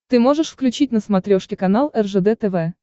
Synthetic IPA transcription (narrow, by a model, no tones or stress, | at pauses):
t̪ɨmoʐəʂfklʲʉt͡ɕitʲnəsmat̪ɾʲoʂkʲɪkɐnalˠɛrʐəd̪ɛt̪əvɛ